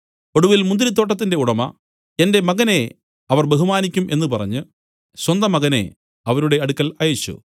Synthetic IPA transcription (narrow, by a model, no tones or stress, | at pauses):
o̞ɽuʋilmund̪iɾit̪̬ːo̞ːʈ̬ːɐt̪ːinde̞uɽɐmɐ | ende̞mɐɣɐne̞ | ɐʋɐrbe̞ɦumaːnikʲːumʔe̞nːupɐrɐ̰ɲːɨ | ɕwɐnd̪ɐmɐɣɐne̞̰ | ɐʋɐɾuɽe̞ɐɽukːɐlɐjeɕːṵ